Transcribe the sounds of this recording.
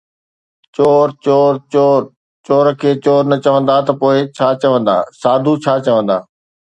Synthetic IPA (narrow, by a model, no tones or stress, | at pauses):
t͡ɕoːɾt͡ɕoːɾt͡ɕoːɾ | t͡ɕoːɾkʰeːt͡ɕoːɾnɐt͡ɕɐʋə̃nd̪aːt̪ɐpoːɪt͡ɕʰaːt͡ɕɐʋə̃nd̪a̰ːsaːd̪ʱut͡ɕʰaːt͡ɕɐʋə̃nd̪a̰ː